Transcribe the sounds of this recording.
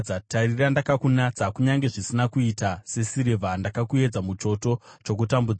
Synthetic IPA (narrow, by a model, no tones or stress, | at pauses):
atarirandakakunat͡sakuɲaŋɡe̞ʐisinakuitase̞siɾevʱandakakue̞d͡zamut͡ʃo̞to̞t͡ʃo̞k̬utambud͡z